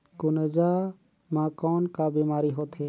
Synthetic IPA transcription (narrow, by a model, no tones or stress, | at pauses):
kʊnəd͡ʒa | mãkɔnkabimaːɾiɦot̪ʰɦɛ